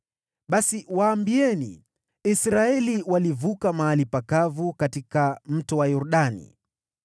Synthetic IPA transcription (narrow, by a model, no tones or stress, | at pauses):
ɓasiwaːmbiɛnḭ | isɾaɛliwalivukamaalipakavukatikam̩tɔwajɔɾuɗanḭ